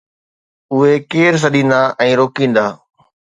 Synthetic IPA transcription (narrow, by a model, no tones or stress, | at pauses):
ʊɦekeːɾs̬ɐɗĩːnd̪aːʔɛ̃ːɾoːkĩːn̆d̪aː